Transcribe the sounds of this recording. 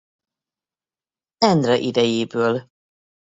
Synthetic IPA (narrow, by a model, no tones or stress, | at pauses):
ɛnd̪ɾɒʔid̪ɛjeːbøːl